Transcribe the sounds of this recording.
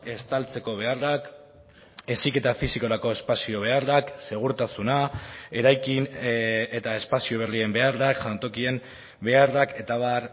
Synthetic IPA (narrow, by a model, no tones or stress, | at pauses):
e̞st̪alt͡se̞ko̞β̞e̞arak | e̞sike̞t̪afisiko̞ɾako̞e̞spasio̞β̞e̞arakse̞ɣ̞uɾt̪asunae̞ɾajkine̞t̪ae̞spasio̞β̞e̞rie̞mbe̞arakʝant̪o̞kie̞m | be̞arake̞t̪aβaɾ